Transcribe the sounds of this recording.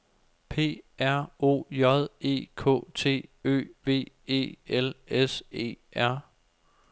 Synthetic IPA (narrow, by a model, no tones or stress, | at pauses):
pʰe̝̰ːæɐ̰o̝̰ːjɒðˠe̝̰ːkʰɔ̰ːt͡sʰe̝̰ːø̰ːʋe̝̰ː | e̝̰ːelese̝̰ːæɐ̰